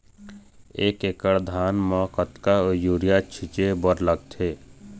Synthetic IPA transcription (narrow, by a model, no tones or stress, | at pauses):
eːkekəɽd̪ʱaːnmɔkət̪kaojuːɾijat͡ʃʰɪt͡ʃebəɾləɡ̚t̪ʰeː